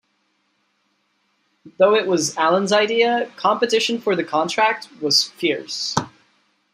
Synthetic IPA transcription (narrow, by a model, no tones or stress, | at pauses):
ðoʊɪʔwʌzælˠə̃nzaɪdiɨkʰɑ̃mpɨtɪʃɨ̃nfə˞ðɨkʰɑ̃ntʰɹ̥æk̚t̚wʌz̥fɪɹs